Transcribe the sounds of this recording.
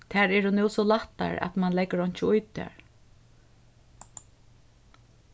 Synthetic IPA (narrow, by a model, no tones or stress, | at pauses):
t̪ʰɛːɹɛɹunɛwsɔlaht̪ːa̰ɹa̰t̪manlɛɡəɾɔɲ̥t͡ʃəʊjt̪ɛ̰ɹ